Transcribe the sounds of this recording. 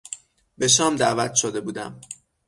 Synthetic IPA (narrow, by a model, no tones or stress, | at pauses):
be̞ʃ̬ɒːmd̪ævæt̪ʃod̪e̞buːd̪æ̰m